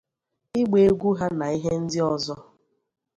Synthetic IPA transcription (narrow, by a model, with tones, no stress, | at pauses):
ɪ˦ɡ͡be˨e˦ɡʷu˦ɦa˦na˨i˦ɦe˦n̩˦dɪ˦ɔ˨zɔ˦